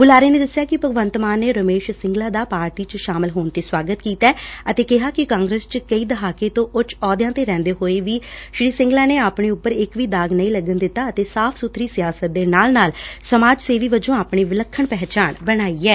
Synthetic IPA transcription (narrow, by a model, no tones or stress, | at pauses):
ɡʊlaːɾeːnẽːd̪əsːjaːkɪpəɡʋənt̪maːnːeːɾəmeːʃsɪ̃ŋɡlaːd̪aːpaːɾʈiːt͡ʃəʃaːmɪlɦoːnt̪eːswaːɡət̪kiːt̪ɛːət̪eːkɪɦaːkɪkãːŋɡɾeːst͡ʃkəiːd̪əɦaːkeːt̪õːʔʊt͡ʃɔːd̪jãːt̪eːɾɛ̃ːnd̪eːɦoːeːʋiːʃɾiːsɪ̃ŋɡlaːneːaːpɳeːʊpːəɾɪkʋiːd̪aːɡnəĩːləɡənd̪ɪt̪ːaːət̪eːsaːpʰsʊt̪ʰɾiːsɪjaːsət̪̚d̪eːnaːlnaːlsəmaːd͡ʒseːʋiːʋəd͡ʒõːaːpɳiːʋɪləkʰːəɳpɛːt͡ʃaːɳbəɽ̃aːiːɛː